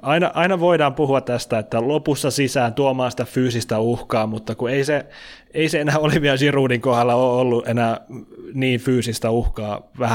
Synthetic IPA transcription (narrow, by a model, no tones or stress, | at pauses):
ɑinɑ̰ʔɑinɑʋoidɑːmpuhuɑt̪t̪æst̪æet̪ːælopusːɑsisæːnt̪uomɑːnsit̪æfyːsist̪æuhkɑːmut̪ːɑkueise | eiseenæːoliʋiɑlsiruːdiŋkohɑlːɑoolːuʔenæːniːnfyːsist̪æuhkɑːʋæhæ